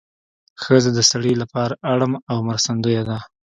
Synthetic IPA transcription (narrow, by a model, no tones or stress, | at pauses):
xəzad̪əsaɽilapɑɾaʔaɽamawmaɾsand̪ujad̪a